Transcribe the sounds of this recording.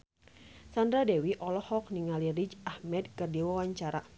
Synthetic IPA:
sandɾadɛwiʔɔlɔhɔk̚niŋalirid͡ʒahmɛd̚kɨrdiwawaɲt͡ʃaɾa

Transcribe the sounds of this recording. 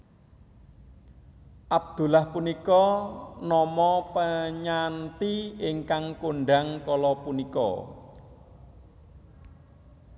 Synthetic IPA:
ʔab̚d̪̥ṳlahpunikɔnɔmɔpəɲant̪iiŋkaŋkoɳɖaŋkɔlɔpunikɔ̰

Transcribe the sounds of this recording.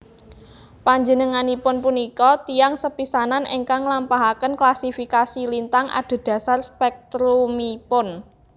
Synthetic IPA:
paɲd͡ʒənəŋanipʊnpunikɔt̪iaŋsəpisananʔeŋkaŋlampaɦakənklasifikasilint̪aŋʔa̰d̪̥o̤d̪̥ä̤sarspɛk̚t̪ɾumipʊn

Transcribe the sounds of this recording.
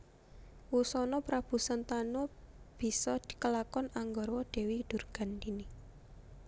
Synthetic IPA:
wusɔnɔpɾab̥ṳsant̪anɔb̥i̤sɔd̪̥i̤̥kəlakɔnaŋɡɔrwɔɖ̪̥e̤wid̪̥ṳrɡ̥a̤nd̪ini

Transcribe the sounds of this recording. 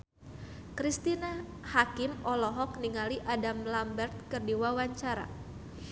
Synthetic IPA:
kɾist̪ina | hakɪmɔlɔɦɔk̚niŋaliʔadamlambɛrt̪̚kərdiwawaɲt͡ʃaɾa̰

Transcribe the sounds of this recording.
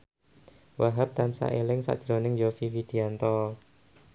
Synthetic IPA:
wʔaɦap̚t̪ansa̰ʔelɪŋsa̰d̥ʒ̥ɾonɪŋd͡ʒofiwid̪̥iant̪ɔ

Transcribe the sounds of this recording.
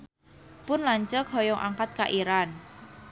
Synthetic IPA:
pʊnlaɲt͡ʃəkɦɔjɔŋʔa̰ŋkat̪̚kaʔiɾan

